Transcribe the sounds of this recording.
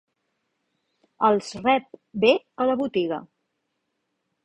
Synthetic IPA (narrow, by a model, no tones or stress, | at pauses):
əlˠsrɛp̚be | ələβut̪iɣə̰